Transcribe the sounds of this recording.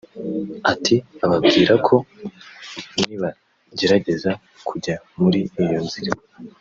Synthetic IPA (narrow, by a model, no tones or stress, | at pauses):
atʰiaβabɡiːɾakʰo̞ | niβa | ɟe̞ɾaɟe̞za | kʰuɟa | muɾiijo̞nziɾe